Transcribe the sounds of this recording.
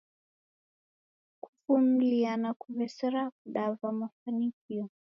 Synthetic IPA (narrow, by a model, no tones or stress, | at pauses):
ku̥fum̩lianakuvɛsɛɾak̚uɗavamafanikiɔ